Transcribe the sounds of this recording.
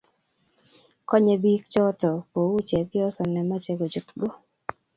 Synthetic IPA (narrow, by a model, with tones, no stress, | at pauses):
kɔ˦ɲɛ˨bi˦kt͡ʃɔ˦tɔ˨po˨u˦t͡ʃɛ˨pjɔ˦sɔ˨nɛ˨ma˦t͡ʃɛ˦ɡo˨d͡ʒu˨tɡɔ˦